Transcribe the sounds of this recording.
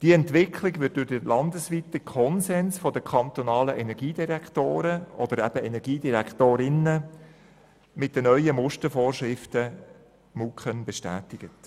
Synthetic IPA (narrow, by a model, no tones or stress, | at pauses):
d̥iəɛntʋɪkʰlɪɡʋɪt̚d̥ʊɾd̥əlɑnd̪əsʋitəkʰɔnsɛnsfɔd̥əkʰɑnt̪ɔnɑːləʔɛnɛɾɡiːdiɾæktoːɾəʔɔd̥əɾæb̥əɛnɛɾɡiːdiɾɛkʰt̪oːɾɪnə | mɪt̚d̥ənœʏəmʊʃtəɾfoːrʃʁɪftə | mukχənbɛʃtæ̰ːtɪɡ̥ət